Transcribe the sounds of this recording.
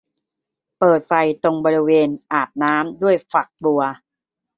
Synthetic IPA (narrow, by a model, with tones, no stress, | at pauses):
pɤː˨˩t̪̚fa˧jt̪o˧ŋbɔː˧ɾi˦˥weː˧nʔaː˨˩p̪̚naː˦˥mdu˥˩əjfa˨˩k̚tu˧ɐ